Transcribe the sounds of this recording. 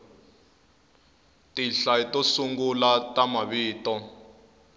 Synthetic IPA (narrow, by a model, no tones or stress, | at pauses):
tʼiɬaitʼosuŋɡulatʼamaɓiːtʼɔ